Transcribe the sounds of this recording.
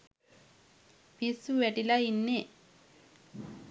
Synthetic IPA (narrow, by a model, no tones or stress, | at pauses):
pisuʋeʈilainːe